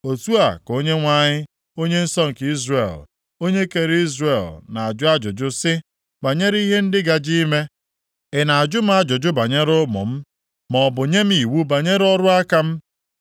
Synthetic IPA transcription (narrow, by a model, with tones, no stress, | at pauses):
o˨tu˦a˨ko˦ɲe˦ŋʷa˦ɲɪ˦ | o˦ɲe˦n̩˦sɔ˦ŋ̩˨ki˦zrḛ˨l | o˦ɲe˦ke˨ɾi˦zre˨lna˨a˨d͡ʒʊ˦a˦d͡ʒʊ˨d͡ʒʊ˦sɪ˦ | ba˨ɲe˦ɾi˦ɦe˦n̩˦dɪ˦ɡa˨d͡ʒi˦me˦ | ɪ˨na˨a˨d͡ʒʊ˦m̩˦a˦d͡ʒʊ˨d͡ʒʊ˦ba˨ɲe˦ɾʊ˦mʊ̰˨m̩˦ | mɔ˨bʊ˨ɲe˦m̩˦i˨wu˦ba˨ɲe˦ɾɔ˦ɾʊ˦a˦ka˦m̩˦